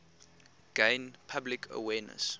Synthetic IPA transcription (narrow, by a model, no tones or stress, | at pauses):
ɡ̥ẽɪnpʰablɪkʰə̰wɛːnə̰s